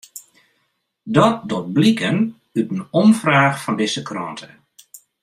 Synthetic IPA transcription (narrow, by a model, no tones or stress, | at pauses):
dɔt̚dɔt̚blikən | ytən̩ɔmfraːxfɔndɪsəkrɔ̰ntʰə